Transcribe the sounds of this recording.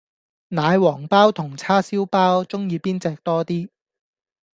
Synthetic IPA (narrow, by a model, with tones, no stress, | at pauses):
naː˨˧jwɔː˨˩ŋpaː˥wt̪ʰʊ˨˩ŋt͡sʰaː˥siː˥wpaː˥wt͡sʊ˥ŋjiː˧piː˥nt͡sɛː˧k̚t̪ɔː˥t̪iː˥